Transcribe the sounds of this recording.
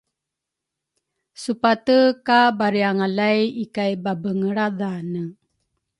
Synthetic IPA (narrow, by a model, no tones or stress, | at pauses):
supatəkabaɾiaŋalajikajbabəŋəɾadanə